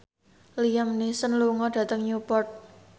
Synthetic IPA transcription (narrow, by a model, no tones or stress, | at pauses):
lijamnisənluŋɔɖ̥ä̤t̪əŋɲupɔrt̪̚